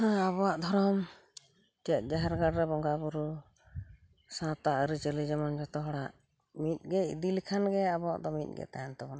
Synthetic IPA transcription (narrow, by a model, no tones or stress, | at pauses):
aβɔwaʔd̪ʱɔɾɔm | d͡ʒɛt̪̚ˀd͡ʒaɦɛɾɡaɽɾɛbɔŋɡabuɾu | sãt̪aʔəɾit͡ʃəlid͡ʒɛmand͡ʒɔt̪ɔɦɔɽaʔ | mit̪̚ˀɡɛḭd̪ilikʰanɡɛabɔwa̰ʔd̪ɔmḭt̪̚ˀɡɛ̰t̪ajant̪ɔbɔna